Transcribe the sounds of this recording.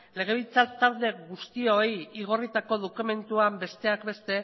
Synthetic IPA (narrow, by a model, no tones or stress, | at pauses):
le̞ɣe̞β̞ilt͡sat̪awle̞ɣust̪io̞jiɣo̞rit̪ako̞ðokume̞nt̪uambe̞st̪e̞akbe̞st̪e̞